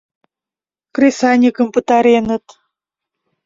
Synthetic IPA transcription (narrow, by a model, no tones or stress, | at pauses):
krʲesɑnʲikə̆mpə̆t̪ɑɾenə̆t̪